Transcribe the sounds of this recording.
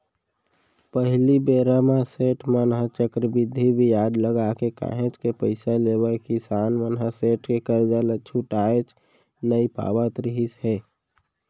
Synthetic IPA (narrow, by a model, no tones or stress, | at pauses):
pəɦlibeɾamãseːʈʰmanɦãt͡ʃəkɾəbɪd̪ʱːibʱijaːd̪ləɡakeka̰ːɦẽt͡ʃkepəɪsaleːbəekisaːnʋənɦãseːʈʰkekəɾd͡ʒalət͡ʃʰuʈaːet͡ʃ | nəipa̰ːbat̪ɾiɦisɦɛː